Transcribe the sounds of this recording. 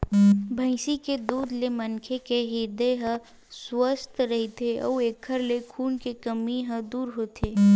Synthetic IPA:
bʱə̃ɪsiked̪uːd̪lemənkʰekeɦɪd̪eɦə̃ | swəst̪ɾɐɦit̪eɔ̰eːkʰːəɾlekʰuːnkekəmiɦə̃d̪uːɾɦot̪ʰeː

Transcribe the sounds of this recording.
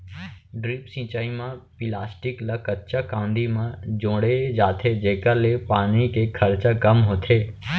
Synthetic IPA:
ɖɾɪpsĩːt͡ʃaːimãpɪlaːsʈɪkləkətːt͡ʃakãːnd̪imãd͡ʒõːɽed͡ʒaːt̪ʰed͡ʒeːkəɾlepaːnikekʰɐɾt͡ʃakəmɦoːt̪ʰeː

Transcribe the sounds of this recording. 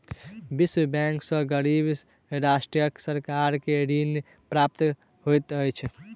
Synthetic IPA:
biswəbɛ̃ŋksə̃ɡəɾibs | ɾasʈɾijəksəɾkaɾkeɾin | pɾap̚t̪ | ɦojt̪əjt͡ʃʰ

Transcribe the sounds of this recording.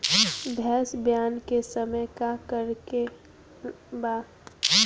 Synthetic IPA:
bʱɛːsbjaːnkesəməjkakəɾke | baː

